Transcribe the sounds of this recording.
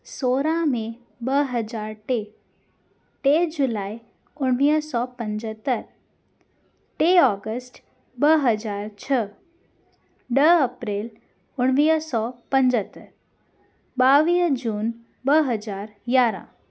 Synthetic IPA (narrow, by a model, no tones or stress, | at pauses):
soːɾãmẽ | bəɦəd͡ʒaːɾʈe | ʈed͡ʒʊlaːi | ʊɽ̃ʋiːsɔpə̃ɲd͡ʒət̪ːəɾ | ʈeɔːɡəsʈ | bəɦəd͡ʒaːɾt͡ʃʰə | ɖəəpɾeːl | ʊɽ̃ʋiːsɔːpə̃ɲd͡ʒət̪ːəɾ | baːʋiːd͡ʒuːn | bəɦəd͡ʒaːɾɡaːɾã̰ː